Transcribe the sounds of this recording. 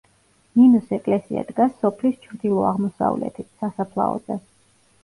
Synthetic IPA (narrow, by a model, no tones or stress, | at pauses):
ninusɛkʼlɛsia̰d̪ɡasːɔpʰlist͡ʃʰɾd̪ilˠɔaʁmɔsa̰vlɛ̰t̪ʰit̪ʰsasapʰlˠa̰ɔ̰d̪zɛ